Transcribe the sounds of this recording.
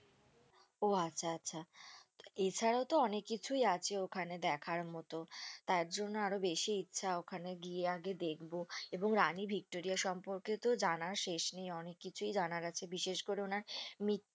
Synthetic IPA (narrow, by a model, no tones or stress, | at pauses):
oatːɕʰaatːɕʰa | et͡ɕʰaɾaot̪oɔnekːit͡ɕʰujat͡ɕʰeokʰaned̪ɛkʰaɾmɔt̪ot̪aɾd͡ʑonːoaɾobeʃiitːɕʰaokʰaneɡieaɡed̪ekʰboeboŋɾanibʱik̚ʈoɾijaʃɔmpoɾket̪od͡ʑanaɾʃeʃnejɔnekːit͡ɕʰujd͡ʑanaɾat͡ɕʰebiʃeʃkoɾeonaɾmit̪